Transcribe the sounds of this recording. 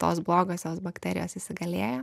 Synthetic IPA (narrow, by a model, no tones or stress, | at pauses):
t̪o̰ːsblˠoːɡoːsʲjʲoːsbɐkt̪ʲɛɾʲɪ̰joːsɪsʲɪɡɐlʲeːjoː